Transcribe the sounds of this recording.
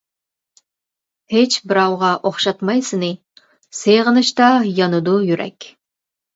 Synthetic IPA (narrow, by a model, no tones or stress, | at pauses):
het͡ʃbɪɾɑwʁɑʔoχʃɑt̪mɑjsɨnɨ | sejʁənɨʃt̪ɑjɑnud̪ujyɾʔɛ̰kʲ